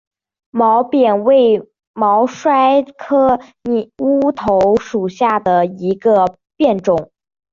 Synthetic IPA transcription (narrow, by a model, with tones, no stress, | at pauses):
mɑ˧˥ʊpjɛ˨˩nwe˥˩ɪ | mɑ˧˥ʊʂwa˥ɪkʰɤ˥ni˨˩u˥t̪ʰo˧˥ʊʂu˨˩ɕja˥˩d̪ə˩i˧˥ɡə˧ | pjɛ˥˩nʈ͡ʂʊ˨˩˦ŋ